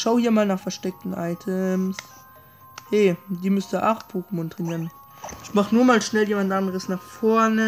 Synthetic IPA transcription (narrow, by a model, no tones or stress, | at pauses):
ʃaʊhiːɐmaːlnaːχfɛɐʃtɛk̚tn̩ʔaɪtʰəms | hɛːdiːmʏstəʔaχpʰuːkəm̩ʊntʁ̥ɛniːʁən | ɪçmaχnuːɐmaːlʃnɛljeːmantʔandəʁəsnaːχfɔɐnə